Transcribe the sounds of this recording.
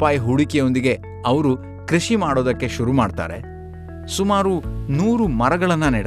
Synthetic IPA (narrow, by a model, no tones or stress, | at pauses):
paːjɦuɽikejo̞nd̪iɡe̞ | ɐʋɐɾu | kɾiʃimaːɽoːd̪ɐkːe̞ʃuɾumaːɖt̪a̰ːɾḛ | sumaːɾunuːɾumɐɾɐɡɐɭɐnːɐneːɽ